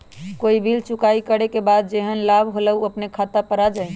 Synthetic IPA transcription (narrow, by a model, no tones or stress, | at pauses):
koibʱilt͡ʃukaikəɽekebad̪̚d͡ʒeɦənlabʱɦoləuəpnekʰat̪apəɾad͡ʒaj